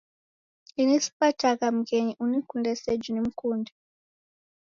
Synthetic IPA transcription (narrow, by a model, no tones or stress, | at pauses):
inesi̥patakam̩keɲiʔunekundɛsɛd͡ʒinem̩kuːndɛ